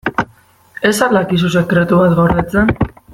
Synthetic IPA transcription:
e̞salakis̬use̞kɾe̞t̪uβat̪ɣoɾet͡sen

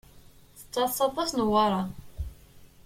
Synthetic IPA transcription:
θə̥t͡sːɑsˤːɑt̪ˤːɑsnəwɑɾˤɑ

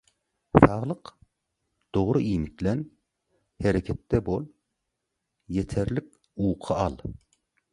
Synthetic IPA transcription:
sɑʁlˠəq | d̪̥oʁɾɨʔimɪk̚ʲlɛn | heɾɛkʲʰɛt̪ːɛbolˠ | jet̪ʰɛɾlɪkʲ | uːqʰɑɑlˠ

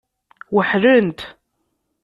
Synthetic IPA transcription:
wəħɾənt̪

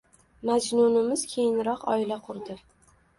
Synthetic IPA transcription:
mad͡ʒnʊnɪmɪz̥kʲʰejɪnɾɒqɒ̰ɪlaqʰʊɾd̪ɪ

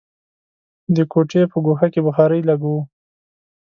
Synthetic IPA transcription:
d̪əkoʈepəɡoxakebəxɑɾəjlaɡwu

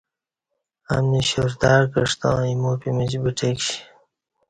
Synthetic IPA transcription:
a̰mniɕuɾd̪aːɾkəʂt̪ɑ̃ːimuːpimit͡ɕbiʈʰekɕi̥

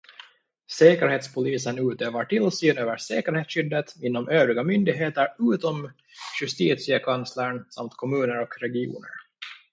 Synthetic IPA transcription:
sɛːkəɾheːt̪spʰʊliːsənʉ̟ːt̪øːvaʈʰɪlsiːnøːvəʂɛːkəɾheːt̪sɕʏd̪ːət̪ɪnːɔmʔøːvɾɪɡamʏnd̪ɪɡɦeːt̪əɾʉ̟ːt̪ɔm | ɕɵst̪iːt̪sɪəkʰansləɳsa̰mt̪kʰɔmʉ̟ːnəɾɔkɾɛɡɪṵːnə̰ɾ

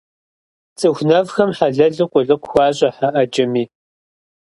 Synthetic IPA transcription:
t͡sʼɨxʷnɐvxɐmħaɮɐɮɨqʷʼʊɮɨqʷxʷɑːɕʼɐħaʔɐd͡ʒɪmiː

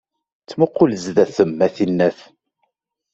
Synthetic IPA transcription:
t͡sːməqːʊlzðæθəmːæθinːæθ

